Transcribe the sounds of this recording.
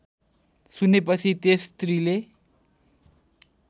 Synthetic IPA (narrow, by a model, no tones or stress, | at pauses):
sunep̬ʌt͡sʰit̪est̪rile